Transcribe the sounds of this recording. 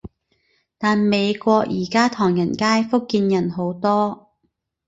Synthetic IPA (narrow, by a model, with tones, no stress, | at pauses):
t̪aː˨nme˨˧jkʷɔː˧k̚jiː˨˩kaː˥t̪ʰɔː˨˩ŋjɐ˨˩nkaː˥jfʊ˥kːiː˧njɐ˨˩nɦo˨˥wt̪ɔː˥